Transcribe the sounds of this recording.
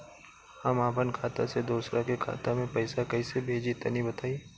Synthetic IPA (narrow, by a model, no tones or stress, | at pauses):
hɐmaːpənkʰaːt̪a̰sed̪oːsɾʔakekʰa̰ːt̪amẽpɛɪsakɐisebʱeːd͡ʒit̪ɐnibɐt̪aːi